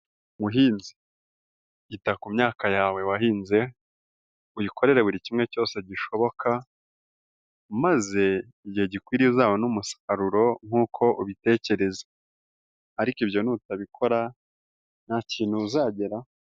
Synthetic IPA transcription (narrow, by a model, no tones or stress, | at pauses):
muɦiːnzi̥ | itakumɲaːkajaːwe̞waɦiːnze̞ | ujikʰo̞ɾe̞ɾe̞βuɾicimŋe̞co̞ːse̞ɟiʃo̞βo̞kʰa | maze̞ | iɟiheɟikwiːɾiuzaːwonumusḁkaɾuɾo̞ŋ̥uːkʰo̞ʔuβite̞ːce̞ɾe̞zḁ | aɾikiβjo̞nutaβikʰo̞ɾa | n̥haciːn̥huːzaːɟe̞ɾa